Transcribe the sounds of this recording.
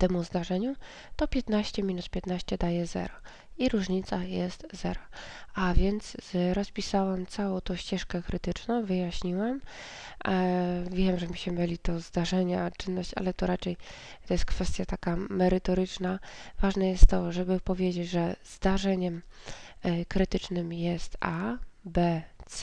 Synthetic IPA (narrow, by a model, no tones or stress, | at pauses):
t̪ɛmuzd̪aʐɛɲu | t̪ɔpʲjɛt̪naɕt͡ɕɛmʲinut̪̚pʲjɛt̪naɕt͡ɕɛd̪ajɛzɛ̰ɾɔ | iɾuʐɲit̪sajɛst̪zɛɾɔavʲjɛnt̪sɾɔspʲisawamt̪sawɔ̃w̃t̪ɔ̃ɕt͡ɕɛʂkɛkɾɘt̪ɘt͡ʂnɔ̃w̃vɘjaɕɲiwam | vʲjɛmʐɛmʲiɕmɘmʲɘlʲit̪ɔzd̪aʐɛɲat͡ʂɘnːɔɕt͡ɕa̰lɛt̪ɔɾat͡ʂɛj | t̪ɔjɛst̪kfɛst̪ʲjat̪akamɛɾɘt̪ɔɾɘt͡ʂnavaʐnɛjɛst̪ːɔʐɛbɘpɔvʲjed͡ʑed͡ʑʐɛzd̪aʐɛɲɛm | kɾɘt̪ɘt͡ʂnɘmjɛst̪abɛt̪s